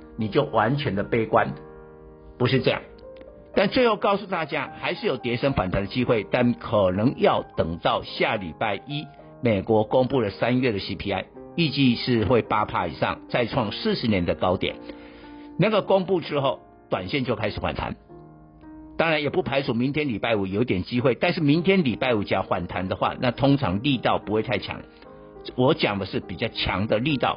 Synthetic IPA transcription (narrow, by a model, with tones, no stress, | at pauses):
ni˨˩t͡ɕjo˥˩ʊwa˧˦nt͡ɕʰɥɛ˧˦˥nd̪ə˨pe˥ɪkwa˦n | pu˧˥ʂ̬ɻ̩˥˧ʈ͡ʂɤ˥˧jɑ̰˥˩ŋ | t̪a˥˧nt͡swe˥˧xo˥˧ʊkɑ˥˧ʊsu˥˧t̪a˥˩t͡ɕja˦˥xa˧˥ɪʂɻ̩˥˨jo˨˩ʊt̪jɛ˧˥ʂə˥ŋfwa˨˩nt̪ʰa˧˥nd̪ə˨˩t͡ɕi˥xwe˥˩ɪt̪a˥˩nkʰɤ˨˩nɤ˧˥ŋjɑ˥˩ʊt̪ɤ˨˩ŋt̪ɑ˥˧ʊɕja˥˩lḭ˨˩pa˥˩ɪʔi˥ | me˨˩kwɔ˧˥ko˥ŋpu˥˩lə˩sa˦nɥɛ˥˩d̪ɾə˩ɕi˥pʰi˥a̰˥˧ɪi˥˧t͡ɕi˥˧ʂɻ̩˥˧xwe˥˩ɪpa˥pʰa˥ḭ˨˩ʂɑ̰˥˧ŋt͡sa˥˧ɪʈ͡ʂʰwɑ˥˧ŋsɹ̩˥˩ʂɻ̩˧˦njɛ˧˦˥nd̪ə˨kɑ˥ʊt̪jɛ̰˨˩˦n | na˥˩ɡə˩ko˥ŋpu˥˩ʈ͡ʂɻ̩˥xo˥˩ʊ | t̪wa˨˩nɕjɛ˥˧nt͡ɕjo˥˩ʊkʰa˥ɪʂɻ̩˨˩xwa̰˨˩nt̪ʰa̰˧˦n | t̪ɑ˥ŋɻa˧˦njɛ˨˩pu˥˩pʰa˧˥ɪt͡sʰu˨˩mi˧˦nt̪ʰjɛ˥nli˨˩pa˥˩ɪu˨˩jo˧˥ʊi˧t̪jɛ˨˩nt͡ɕi˥xwe˥˩ɪt̪a˥˧nʂ̬̩˥˩mi˧˥nt̪ʰjɛ˥nli˨˩pa˥˩ɪu˨˩t͡ɕjɑ˨˩xwa̰˨˩nt̪ʰa˧˥nd̪ə˨xwa̰˥˧na˥˧t̪ʰʊ˥ŋʈ͡ʂʰɑ̰˧˥ŋli˥˧t̪ɑ˥˨˩ʊpu˧˥xwe˥˧ɪt̪ʰa˥˩ɪt͡ɕʰjɑ̰˧˥ŋ | wɔ˧˥t͡ɕjɑ˨˩ŋd̪ə˦ʂɻ̩˥˩pi˨˩t͡ɕjɑ˥˩ʊt͡ɕʰjɑ̰˧˥ŋd̪ə˨li˥˧t̪ɑ˥˩ʊ